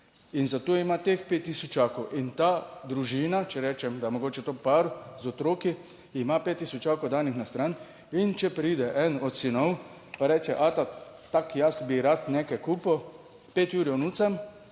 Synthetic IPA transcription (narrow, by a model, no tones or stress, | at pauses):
inzat̪oːimat̪expeːt̪ːisɔt͡ʃaːkowʔint̪ad̪ɾuʒiːnat͡ʃɛɾɛːt͡ʃɛmd̪amoɡoːt͡ʃɛt̪oːpaɾzɔt̪ɾoːki | imapeːt̪ːiːsɔt͡ʃaːkowd̪aːnixnast̪ɾan | int͡ʃɛpɾid̪ɛʔɛnɔt̪sinɔw | paɾɛːt͡ʃɛʔat̪at̪akjasbiɾat̪neːkajkuːpɔ | peːt̪juːɾiɔnuːsam